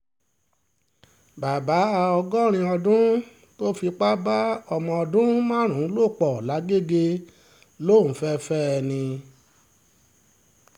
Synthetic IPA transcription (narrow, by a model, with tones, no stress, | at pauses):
ba˨ba˨˦a˧ɔ˧ɡɔ˦ɾ̃ĩ˧ɔ˧dũ˦ | to˦fi˧k͡pa˦ba˦ɔ˧mɔ̃˧ɔ˧dũ˦mãː˦˨ɾ̃ũ˨˦lo˦˨k͡pɔ˨la˨˦ɡe˦˨ɡe˧ | lo˦˨n̩˨˦fɛ˦fɛ˦ɛ˧nĩ˧